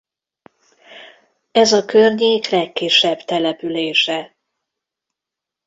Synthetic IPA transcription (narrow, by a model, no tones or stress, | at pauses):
ɛzɒkørɲeːklɛkːiʃɛbt̪ɛlɛpyleːʃɛ